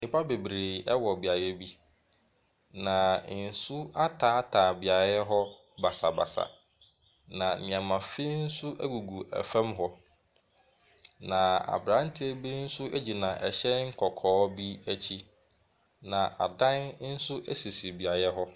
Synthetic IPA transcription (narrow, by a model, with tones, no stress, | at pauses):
nɪ˨pʰa˦be˨bɾe˨ɛ˦wɔ˨bi˨a˨jɛ˦bi˦ | nã˨n̩˨sʊ˦a˦tʰaː˨˦tʰaː˨bi˨a˨jɛ˦ɦɔ˦ | ba˨sa˨ba̰˨sa̰˨ | nã˨nɪ̃˨ã˨mã˨fi˦n̩˦sʊ˦ʔæ̰˦ɡu˨ɡu˨ʔæ̰˨fã˦mɦɔ˦ | nã˨a̰˨bɾã˨˦n˦tʰɪ˦e˦bi˦n̩˦sʊ˦ʔe˦d͡ʑi˨nã˨ʔɛ˨ɕɛ˦ŋ̩˦kʰɔ˨kʰɔː˦bi˦æ˦t͡ɕʰi˦ | nã˨ʔa̰˨dã˦nn̩˦sʊ˦ʔæ˦si˨si˨bi˨a˨jɛ˦ɦɔ˦